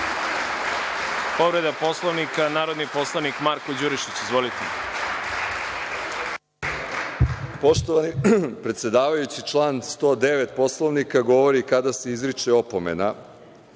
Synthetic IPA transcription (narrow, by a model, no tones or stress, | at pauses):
poʋɾed̪apo̞slˠoʋnikanaːɾod̪nipo̞slˠaʋnikmaɾkod͡ʑuɾiʃit͡ɕizʋolit̪e | poʃt̪oaipɾet̪sje̞d̪aːʋajut͡ɕit͡ʂlˠaːnst̪o̞ːd̪e̞ʋe̞t̪po̞slˠoʋnikaɡo̞ʋo̞ɾikad̪ase̞izɾit͡ʃeopo̞mḛna